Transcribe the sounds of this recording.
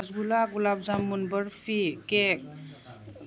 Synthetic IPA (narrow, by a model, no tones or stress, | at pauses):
zbulaɡulab̚zamːunbəɾfikek̚